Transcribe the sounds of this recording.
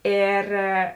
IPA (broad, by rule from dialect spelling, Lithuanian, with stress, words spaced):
ˈeːr